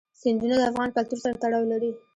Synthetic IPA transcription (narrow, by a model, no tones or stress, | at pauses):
sɪnd̪unad̪əafɣɑnfak̚t̪uɾsaɾat̪aɽɑwlaɾi